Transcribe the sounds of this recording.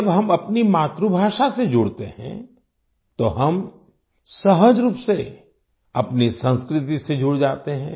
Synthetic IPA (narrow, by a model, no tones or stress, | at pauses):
ɐbɦɐmɐpnimaːt̪ɾubʱaːʃased͡ʒʊːɽt̪ḛhɛ̰̃ | t̪oɦɐm | sɐɦəd͡ʒɾuːpse | ɐpnisə̃nskɾɪt̪ised͡ʒʊɽd͡ʒaːt̪eɦɛ̃ː